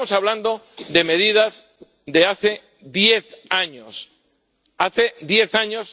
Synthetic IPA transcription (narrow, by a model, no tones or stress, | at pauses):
osaβland̪o̞ | ðe̞me̞ðiðaz | d̪e̞aθe̞ | ðje̞θaɲos | aθe̞ðje̞θaɲos